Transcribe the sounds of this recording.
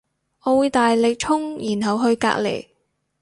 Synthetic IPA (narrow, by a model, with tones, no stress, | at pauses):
ʔɔː˨˧wuː˨˧jt̪aː˨jlɪ˨k̚t͡ʃʰʊ˥ŋjiː˨˩nɦɐ˨wɦɵ˧ɥka̰ː˧˥k̚lḛ˨˩j